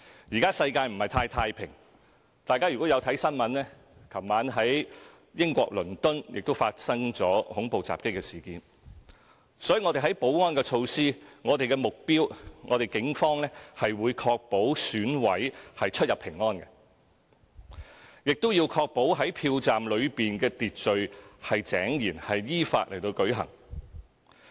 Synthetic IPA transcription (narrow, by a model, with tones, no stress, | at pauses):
jiː˨kaː˥sɐ˧jkaː˧jm̩˨˩hɐ˨˩jt̪ʰaː˧jt̪ʰaː˧jpʰɪ˨˩ŋ | t̪aː˨jkaː˥jy˨˩kɔː˨˥jɐ˨˧wt̪ʰɐ˨˥jsɐ˥nmɐ˨˧nlɛː˥ | kʰɐ˨˩mmaː˨˥nɦɐ˨˥j | jɪ˥ŋkʷɔ̰ː˧k̚lɵ˨˩nt̪ɵ˥njɪ̰˨k̚t̪o˥wfaː˧t̚sɐ˥ŋt͡sɔː˨˥hʊ˨˥ŋpo˨wt͡sa̰ː˨p̚kɪ˥kːɛ˧siː˨˩kiː˨˧n | sɔː˨˥ji˨ŋɔ˨˧t̪e˨˩ɦɐ˨˥jpo˨˥wŋɔː˥nkɛ˧t͡ʃʰo˧wsiː˥ŋɔː˨˧t̪e˨jkɛ˧mʊ˨k̚piː˥wŋɔ̰ː˨˧t̪e˨˩kɪ˨˥ŋfɔː˥ŋlɛː˥hɐ˨jwuː˨˧jkʰɔː˧k̚po˨˥wsyː˨˥nwɐ˨˥jhɐ˨jt͡ʃʰɵ˥t̚jɐ˨˩pʰɪ˨˩ŋːɔː˥nkɛ˧ | jɪ˨k̚t̪ʊ˥wjiː˧wkʰɔː˧k̚po˨˥wɦɐ˨˥jpʰiː˧wt͡saː˨mlɵ˨˧ɥpiː˨nkɛː˧t̪iː˨t̚t͡sɵ˨˧ɥhɐ˨jt͡sɛː˨˥ŋjiː˨˩nhɐ˨jjiː˥fa̰ː˧t̚lʔe˨˩jt̪o˧wkɵ˨˥ɥɦɐ̰˨˩ŋ